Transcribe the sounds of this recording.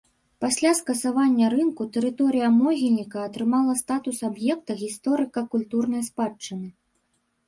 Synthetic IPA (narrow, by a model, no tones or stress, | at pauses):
pasʲlʲaskɐsavanʲːɐɾɨnkut̪ɛɾɨt̪ɔɾɨjɐmɔɣʲilʲnʲikɐːt̪ɾɨmalˠɐst̪at̪usabjɛkt̪ɐɣʲist̪ɔɾɨkɐkulʲt̪urnɐjspat͡ʂːɨnɨ